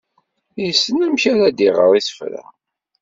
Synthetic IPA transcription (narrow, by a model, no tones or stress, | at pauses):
jəsːənæmçæɾæd̪iʁə̰ɾˤiθə̥fɾæ̰